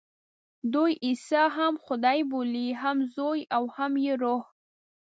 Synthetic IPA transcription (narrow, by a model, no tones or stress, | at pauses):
d̪ujʔisɑɦamxʊd̪ɑjboliɦamzojawhamjeɾoh